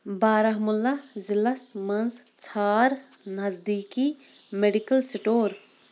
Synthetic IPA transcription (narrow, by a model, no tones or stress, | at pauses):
baːɾɐɦmulːɐzilɐsmɐnzt͡sʰaːɾ | nɐzd̪iːkimeɖikɐlsiʈoːɾ